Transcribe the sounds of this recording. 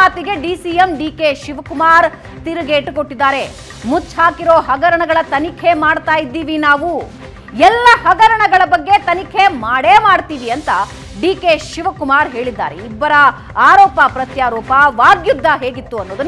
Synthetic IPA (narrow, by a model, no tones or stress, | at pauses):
aːt̪iɡe̞ɖiːsiemɖiːkeʃiʋɐkumaːɾ | t̪iɾuɡeːʈkoʈːid̪ːaːɾe̞ | mut͡ʃːhaːkiɾoːɦɐɡɐɾɐɳɐɡɐɭɐt̪ɐnikʰemaːɽt̪aːjid̪ːiːʋinaːʋu | ɛlːɐhɐɡɐɾɐɳɐɡɐɭɐbɐɡːe̞t̪ɐnikʰe̞maːɽeːmaːɖt̪iːʋiɐnt̪ɐ | ɖiːkeʃiʋɐkumaːɾɦe̞ːɭid̪ːa̰ːɾeibːɐɾɐ | aːɾɔːpɐpɾɐt̪jaːɾɔːpɐʋaːɡjud̪ːɐɦeːɡit̪ːuɐnːoːd̪un